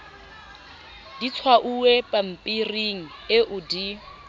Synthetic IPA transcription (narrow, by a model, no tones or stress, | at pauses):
dit͡sʰwaʔuepʼam̩pʼiriŋ̩ɪʔʊdi